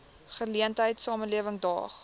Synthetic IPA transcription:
χəliəntəjtsɑːməliəvəŋdɑ̰ːχ

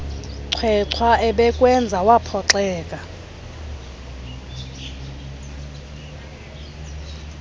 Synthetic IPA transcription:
ǀʰwɛǀʰwaʔɛɓɛkʼwɛnd͡zʱawapʰɔǁɛːkʼa

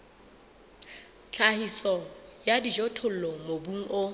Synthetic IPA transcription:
t͡ɬʰahisɔjadid͡ʒɔtʰʊl̩lɔmobuŋ̩ʔo

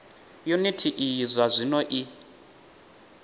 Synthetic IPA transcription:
junitʰiʔijizʷazʷinɔʔi

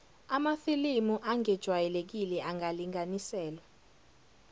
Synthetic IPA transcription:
amaθilimuʔaŋɛd̥ʒ̥ʱwajɛlek̬ilɛaŋaliŋanisɛːlwa

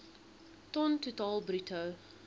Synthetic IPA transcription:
tɔntutɑːlˠbrytʰəw

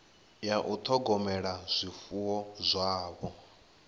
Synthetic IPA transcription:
jaʔut̪ʰɔɡɔmɛɺaz̥ʷifuwɔzʷaːβɔ

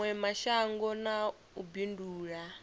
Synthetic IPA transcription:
wɛmaʃaŋɡɔna | ubinduːɺa

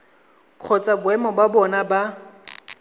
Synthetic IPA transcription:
kʰɔt͡sʼabʊɛmɔbabɔnaba

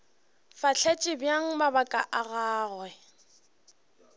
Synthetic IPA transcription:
faɬʰɛt͡ʃʼɪbjaŋ̩mabakʼaʔaɣaːɣwɛ

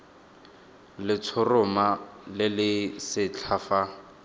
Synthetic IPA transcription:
lɪt͡sʰʊrʊmalɪlɪsɪt͡ɬʰaːfa

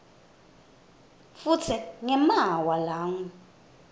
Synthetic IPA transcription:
fut͡sʰiŋɛmawalaːŋu

